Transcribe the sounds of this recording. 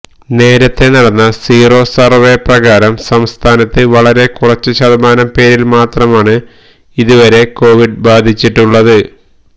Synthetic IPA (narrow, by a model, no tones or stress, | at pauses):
ne̞ːɾɐt̪ːe̞nɐɽɐnːɐsiːro̞ːsɐrʋeprɐɣaːɾɐmsɐmst̪ʰaːnɐt̪ːɨʋɐɭɐɾe̞kurɐt͡ɕːɨɕɐðɐmaːnɐmpe̞ːɾilmaːt̪rɐmaːɳɨ | iðuʋɐɾe̞ko̞ːʋiɖbaːd̪ʱit͡ɕːiʈːuɭːɐðɨ